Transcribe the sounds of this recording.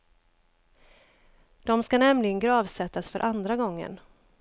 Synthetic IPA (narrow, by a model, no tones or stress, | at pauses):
d̪̥ɔmskanɛmlɪɡənɡɾɑːvsɛt̪ːasfœɾʔand̪ɾaɡɔŋːə̰n